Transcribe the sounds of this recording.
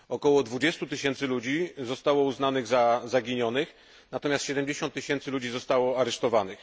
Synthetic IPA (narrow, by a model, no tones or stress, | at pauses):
ɔkɔwɔd̪vud͡ʑɛst̪ut̪ɘɕɛnt̪sɘlud͡ʑizɔst̪awɔuznanɘɣzazaɡʲiɲɔnɘx | nat̪ɔmʲjast̪ɕɛd̪ɛmd͡ʑeɕɔnt̪ːɘɕɛnt̪sɘlud͡ʑizɔst̪awɔaɾɛʂt̪ɔvanɘx